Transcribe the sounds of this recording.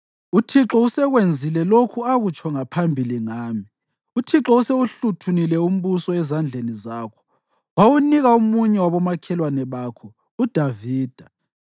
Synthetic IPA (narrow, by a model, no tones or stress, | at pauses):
utʰiǁɔusɛɣwend͡zʱilɛlokʰuaɣut͡ʃʰʼɔŋapʰambʱiliŋaːmi | utʰiǁɔuseuɬutʰunilɛum̩βusɔɛzand͡ɮʱenizaːkʰɔ̥ | wawuniɣaumuɲɛwaβɔmakʰɛlwanɛβaːkʰɔ | ud̥ʱaviːd̥ʱa